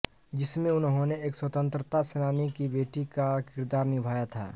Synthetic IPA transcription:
d͡ʒɪsmẽʊnɦõneeːkswət̪ə̃nt̪ɾət̪asenaːnekibeːʈikakɪɾd̪aːɾnɪbʱaːjat̪ʰa̰ː

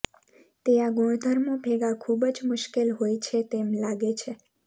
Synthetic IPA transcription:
t̪eaɡoɽ̃d̪ʱəɾmõbʱeɡakʰubəd͡ʒmʊʃkelɦojt͡ʃʰet̪emlaɡet͡ʃʰe

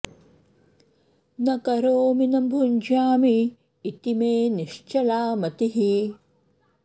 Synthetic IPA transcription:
nɐkɐɾoːminɐmbʱuɲd͡ʒaːmiː | t̪imeːniʃt͡ʃɐlaːmɐt̪iɦi

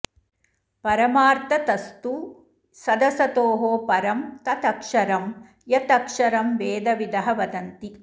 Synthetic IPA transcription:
pɐɾɐmaːɾt̪ɐt̪ɐst̪u | sɐd̪ɐsɐt̪oːɦoːpɐɾɐmt̪ɐt̪ɐkʂɐɾɐm | jɐt̪ɐkʂɐɾɐmʋeːd̪ɐʋid̪ɐɦɐʋɐd̪ɐnt̪i

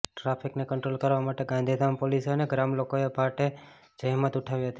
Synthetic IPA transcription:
ʈɾapʰiknekəɳʈɾolkəɾʋamaʈeɡãnd̪ʱid̪ʱampoliseəneɡɾamlokoepaʈe | d͡ʒəɦmət̪ʊʈʰaʋiɦət̪i

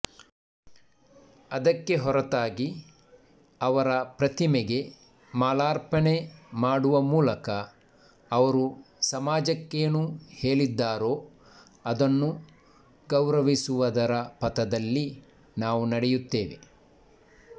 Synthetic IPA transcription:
ɐd̪ɐkːe̞ɦɔɾɐt̪aːɡi | ɐʋɐɾɐpɾɐt̪imeɡe̞ | maːlaːɾpɐne̞maːɽuʋɐmuːlɐkɐː | ʋɐɾu | sɐmaːd͡ʒɐkːejɐnuhe̞ːɭid̪ːaːɾo̞ː | ɐd̪ɐnːu | ɡɐwɾɐʋisuʋɐd̪ɐɾɐpɐt̪ɐd̪ɐlːi | naːʋunɐɽɛjut̪ːeːʋe̞̰

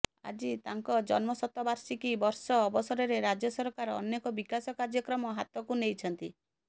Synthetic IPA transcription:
a̰d͡ʒit̪aŋkɔd͡ʒɔnmɔsɔt̪ːɔbaɾsikibɔɾsɔːbɔsɔɾɔɾeɾad͡ʒɔsɔɾkaɾɔ̰nːekɔbikasɔkaɾd͡ʒjɔkɾɔmɔɦat̪ɔkunejt͡ʃʰɔnt̪i

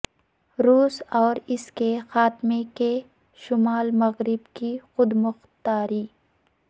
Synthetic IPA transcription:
ɾuːsɔːɾɪskexaːt̪meke | ʃʊmaːlmɐɣɾɪbkixʊd̪mʊxt̪aːɾiː

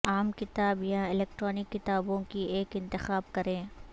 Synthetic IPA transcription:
aːmkɪt̪aːbjãɪleːk̚ʈɾɔːnɪkːɪt̪aːbõkieːkɪ̃nt̪ɪxaːb̚kɐɾẽː

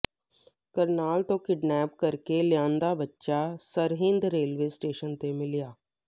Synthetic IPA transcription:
kəɾnaːlt̪õːkɪɖnɛːpkəɾkeljãːnd̪aːbətːʃaːsəɾɦɪ̃nd̪ɾeːlʋeːsʈeːʃənt̪emɪlɪjaː

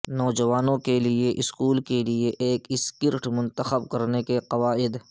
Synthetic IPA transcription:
nɔːd͡ʒɐʋaːnõkelieʔɪskuːlkelieʔeːkɪskɪɾʈmʊ̃nt̪əxəb̚kɐɾnekeqɐʋaːɪd̪

